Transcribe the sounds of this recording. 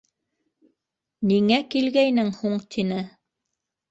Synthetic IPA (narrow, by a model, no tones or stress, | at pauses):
niŋækilɡæjnɘŋhuɴt̪ʰinɘ